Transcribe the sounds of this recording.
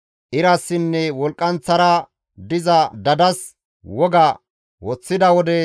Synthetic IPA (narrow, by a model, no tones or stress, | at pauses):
ʔɪɾɐsːɪnːɛwɔlkʼːɐnt͡sːɐɾɐ | d̪ɪzɐd̪ɐd̪ɐs | wɔɡɐ | wɔt͡sːɪd̪ɐwɔd̪ɛ